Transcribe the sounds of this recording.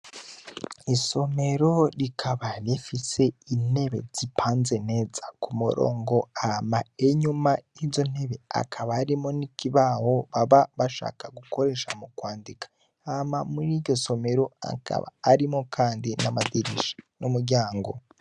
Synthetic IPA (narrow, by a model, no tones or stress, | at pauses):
iso̞me̞ɾo̞ɾikʰaβaɾefise̞in̥e̞βe̞̰z̥ipʰaːnze̞ne̞ːzakumuɾo̰ːŋɡo̞amaeɲumaizo̞n̥e̞βe̞a̰kʰaβaːɾimonikiβaho̞βaβaβaʃa̰ːkaɡuko̞ɾe̞ʃamukwaːndikḁ | amamuɾiːɾɟo̞so̞me̞ɾo̞a̰ka̰βa̰ːɾimokʰaːndinamadiɾḭʃḁnumuɾɟaːŋɡo̞̰